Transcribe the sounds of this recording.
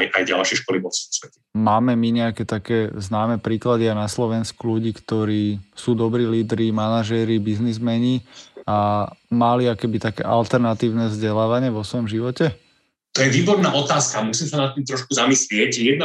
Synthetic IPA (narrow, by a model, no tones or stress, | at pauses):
ʔajɟalʃɪɛʃkɔliʋɔfsu̥sʋɛcɛmaːmɛmiɲɛakɛt̪akɛːznaːmɛpɾiːklad̪iaɪnaslɔʋɛnskuluɟiːkt̪ɔɾiːsuːd̪ɔbɾiːliːd̪ɾimanaʒɛɾibiznizmɛɲiamaliɔkɛbit̪akɛ̰ːʔalt̪ɛɾnat̪iːʊnɛvzɟɛlaːʋaɲɪɛʋɔsʋɔjɔmʒiʋɔcɛ | t̪ɔjɛʋiːbɔɾnaːʔɔt̪aːskamusiːmsanat̪ːiːmt̪ɾɔʃkuzamislɪɛcjɛd̪na